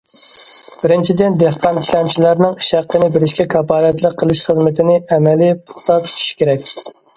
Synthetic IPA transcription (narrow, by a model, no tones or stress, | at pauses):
b̥ɪɾɪnt͡ʃʰid̪ɪnd̪ehqɑniʃlɛmt͡ʃʰilæɾnɪŋiʃæqːənɪbɪɾɪʃkʲɛkʰɑpɑːlɛt̪lˠəqʰːəlˠɨʃχəzmɪt̪ʰɪnɪʔɛmɛlip̪ʰo̥χt̪ɑt̪ʰt̪ʰi̥ʃkʲeɾɛkʲ